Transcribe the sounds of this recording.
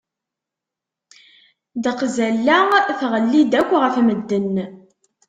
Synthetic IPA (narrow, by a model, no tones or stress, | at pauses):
d̪əqzælːæθʁəlːid̪ækʷːʁəfməd̪ːən